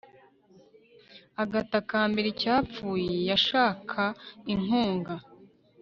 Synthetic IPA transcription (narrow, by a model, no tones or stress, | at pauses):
aɡatakaːmbeɾicaːp͡fuːje̞jaʃaːkʰaiŋoːŋɡa